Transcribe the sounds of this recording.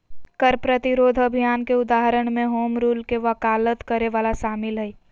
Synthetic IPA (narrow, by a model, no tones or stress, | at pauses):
kəɾpɾət̪ɪɾoːd̪ʱəbʱijaːnkeʊd̪aːɦəɾəɽ̃mẽɦoːmɾuːlkeʋɐkaːlət̪kəɾeʋaːlaʃaːmɪlɦɛi